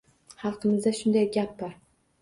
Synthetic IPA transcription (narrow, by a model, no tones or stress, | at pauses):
χɑlˠqʰɨmɪzd̪aʃʊnd̪ajɡʲap̚bɒɾ